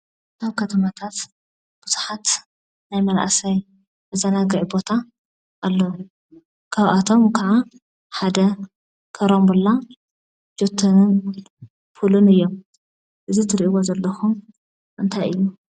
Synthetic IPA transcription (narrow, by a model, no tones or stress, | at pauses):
aβkʰɐt̪ʰɐmat̪ʰat̪ | b̥uzuħat̪ | najmɐlʔa̰sɐj | ʔɨzɐnaɡɨʕbo̞t̪ʰa | ʔːlːo | kʰaβʔat̪ʰo̞mkʰaʕa | ħad̪ɐ | kʰɐɾombulːa | d͡ʒot̪ʰːɐnɨn | fulunɨjːom | ʔɨzit̪ʰɨɾʔiwozɐlːɐxum | ʔɨnt̪ʰajɨjːu